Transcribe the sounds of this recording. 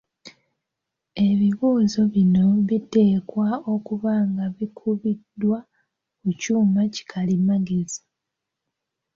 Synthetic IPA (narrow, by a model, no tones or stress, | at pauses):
e̞βiβuːzo̞βino̞βite̞ːkwaokuβaːŋɡaβikʰuβidwa | kucuːmaci̥kʰalimaɡezḁ